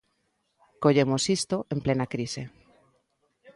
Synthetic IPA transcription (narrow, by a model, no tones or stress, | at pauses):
koʎemosist̪oʔemplenakɾise